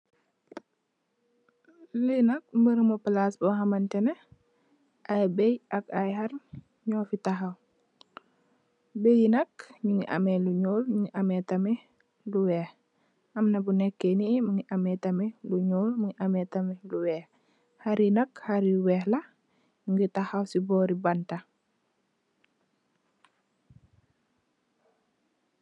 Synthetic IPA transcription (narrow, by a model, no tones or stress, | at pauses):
lənɐk̚mbəɾmopəlasbɔɦɐmɐntɛnɛ | ʔajbɛjʔɐkajhɐr | ɲɔːfitɐɦɐw | bejinɐkɲuŋiʔɐ̰mɛluɲoːlmuŋiʔɐmɛtɐmɛ | luwɛːh | ɐmnɐbunɛkːenimuŋiʔamɛtameluɲuːlmuŋiʔamɛtameluwɛːh | haɾinɐkhaɾiwɛːhlɐ | uŋɡitahawsibɔːɾibanta